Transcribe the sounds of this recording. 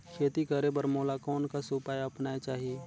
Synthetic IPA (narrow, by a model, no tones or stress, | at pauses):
kʰeːt̪ikəɾebəɾmoːlakɔːnkasupaːjɐpnaːet͡ʃaːɦieː